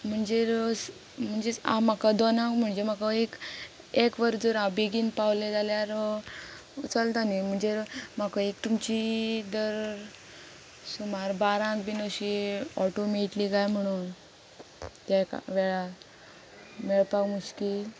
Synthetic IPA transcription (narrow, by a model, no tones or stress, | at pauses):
m̤əɳd͡zeɾs | m̤əɳd͡zea̰m̤akad̪ɔnãkm̤əɳd͡zem̤akaek | ekʋəɾd͡zəɾabiɡiːnpawled͡zaljaɾ | ut͡səlt̪anim̤əɳd͡zem̤akəekt̪umt͡ɕid̪əɾ | sumaɾbaɾãkbinəɕiɔʈomeʈlikajm̤əɽ̃un | t̪aka̰ʋɛɭa | meɭpakmuɕkil